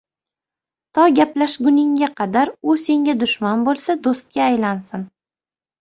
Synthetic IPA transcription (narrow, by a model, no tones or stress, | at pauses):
t̪ʰɒɡʲaplaʃɡʊnɪŋʲaqʰɑd̪aɾʊse̞ŋɡʲad̪ʊʃmanbolˠsad̪ost̪̚kʲaːjlansɪn